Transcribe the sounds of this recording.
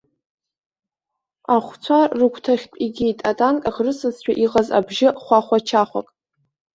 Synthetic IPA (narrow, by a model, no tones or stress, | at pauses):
aχʷt͡sʷʰarɨkʷʰtʰaχʲpʼiɡʲejtʼatʼankʼaʁrɨsɨzt͡ɕʷʰᶣaʔiqʼaza̰bʒɪχʷaχʷat͡ʃʰaχʷa̰kʼ